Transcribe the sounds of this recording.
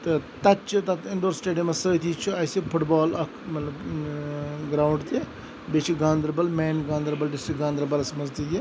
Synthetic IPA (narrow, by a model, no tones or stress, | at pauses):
t̪ɨt̪ɐt̪t͡ʃʰit̪ɐt̪ɪnɖoːɾsʈeːɖiɐmɐsəːt̪ʰiːt͡ʃʰuɐsipʰʊʈbaːlɐkʰmɐt̪lɐb | ɡɾaːwɳɖt̪e | bet͡ʃʰiɡãːnd̪ɾbɐlmɛːnɡãːnd̪ɾbɐlɖɪsʈɪk̚ɡãːnd̪ɾɐbɐlɐsɐmɐzt̪iji